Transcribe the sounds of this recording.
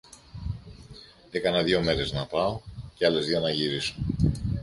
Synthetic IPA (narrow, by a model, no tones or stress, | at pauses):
ekɐnɐðʝo̞me̞ɾe̞znɐpɐo̞ceɐle̞zðiɐnɐʝiɾiso